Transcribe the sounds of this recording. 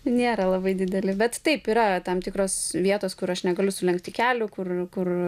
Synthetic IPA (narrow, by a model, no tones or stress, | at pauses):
nʲeːɾɐlˠɐbɐɪd̪ʲɪd̪ʲɛlʲɪbʲɛt̪t̪ɐɪpiːɾɐt̪ɐmt̪ʲɪkɾoːsʋʲiɛt̪oːskʊɾɐʃnʲɛɡɐlʲʊsʊlʲɛŋkt̪ʲɪkʲæːlʲʊkʊrkʊr